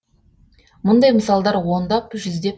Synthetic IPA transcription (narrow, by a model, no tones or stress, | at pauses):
mʊnd̪ɑjməsɑlˠd̪ɑɾwo̞nd̪ɑpʒʏzd̪e̞